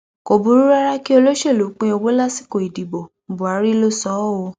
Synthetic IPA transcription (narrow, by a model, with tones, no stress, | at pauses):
ko˨bũ˨˦ɾu˦ɾa˦ɾa˦ki˦o˧lo˦ʃe˦˨lo˨˦k͡pẽ˧˦o˧wo˦la˦si̥˦ko˨i˨di˨bo˨bu˨a˨˦ɾi˦lo˦sɔ˨˦o˧˦